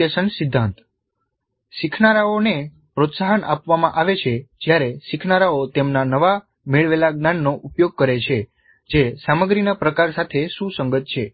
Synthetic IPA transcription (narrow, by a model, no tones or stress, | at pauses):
esənsɪd̪ʱːãnt̪ | sikʰnaɾaone | pɾot̪saɦənʔa̰pʋamãʔaʋet͡ʃʰed͡ʒjaɾeʃikʰnaɾaot̪emnanəʋa | meɭʋelaɡnanːoʔupjoɡ̚kəɾet͡ʃʰe | d͡ʒesaməɡɾinapɾəkaɾsat̪ʰeʃũsəŋɡət̪̚t͡ʃʰe